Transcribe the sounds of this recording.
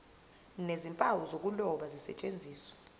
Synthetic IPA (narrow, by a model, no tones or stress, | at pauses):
nezimpʼawɔzok̬ʼulɔɓazisɛ̰t͡ʃʼend͡zʱiːswḁ